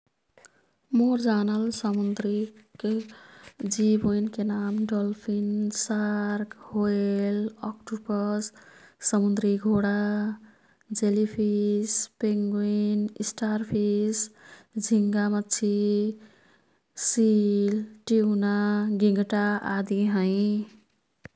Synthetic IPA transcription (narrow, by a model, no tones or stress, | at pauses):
moɾd͡ʒanəlsəmund̪ɾik | d͡ʒibojnkenamɖɔlpʰinsaɾkhoelɔkʈupəssəmund̪ɾiɡʱoɽa | d͡ʒelipʰispeŋɡoinisʈaɾpʰisd͡ʒʱiŋɡamʌt͡ʃʰi | silʈiunaɡiŋɡʈaad̪iɦʌ̃jĩ